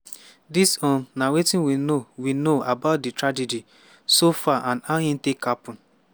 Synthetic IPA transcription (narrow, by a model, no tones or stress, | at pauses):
disɔ̃nnawetĩnwinowinoabat̚ditɾad͡ʒed͡ʒi | sofaʔãnahĩn̩tekʰapũn